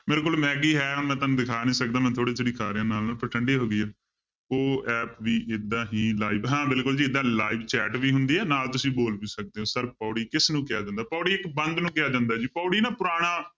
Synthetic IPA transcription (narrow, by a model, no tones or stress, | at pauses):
meːɾekʊlmɛːɡiːɦɛːɦʊnmɛ̃ːt̪aːnũːd̪ɪkʰaːnĩːsək̚d̪ãːmɛ̃ːt̪ʰoːɽeːt̪ʰoɽiːkʰa̰ːɾɪjãːnaːlnːlpəɾʈʰəɳɖeːɦoːɡɪːaː | oːɛːpʋiːʔɪd̪ãːɦiːlaːiːbɦãːbɪlkʊld͡ʒiːɪd̪ãːla̰ːiːbt͡ʃɛ̰ːʈʋiːɦʊnd̪iːɛːnaːlt̪ʊsĩːboːlʋiːsək̚d̪eːɦõːsəɾpɔːɽiːkɪsnũːkɪja̰ːd͡ʒãːnd̪aːpɔːɽiːɪkbənd̪nũːkɪjaːd͡ʒãːnd̪aːd͡ʒiːpɔːɽiːnaːpʊɾaːɽ̃aː